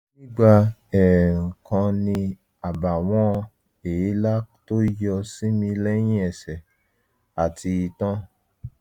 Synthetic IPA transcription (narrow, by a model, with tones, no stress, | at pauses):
nĩ˦ɡ͡ba˧ɛ˨ŋ̩˨kã˧nĩ˧ | a˨ba˨w̃ɔ̃˦˧ | e˨e˨˦la˦to˦jɔ˧sĩ˦mĩ˧lɛ˦jĩ˦ɛ˨sɛ˨ | a˨tʰi˧i˧tɔ̃˦